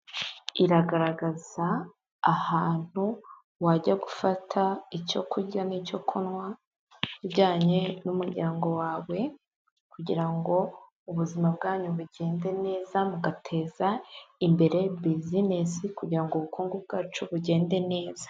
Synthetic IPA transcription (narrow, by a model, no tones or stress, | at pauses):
iɾaɡaɾaɡaz̥aː | haːn̥hu | waɟaɡufatʰaico̞kʰuɟanico̞kʰunwa | iɟaːɲe̞numuɾɟaːŋɡo̞waːwe̞ | kuɟḭɾaŋɡo̞ | uβuzimab̚ɡaːɲuβuɟe̞ːnde̞ne̞ːzamuɡatʰe̞ːzaimbe̞ɾe̞bizinesikuɟiɾaŋɡoβukuːŋɡub̚ɡaːt͡ʃuβuɟe̞ːnde̞ne̞ːzḁ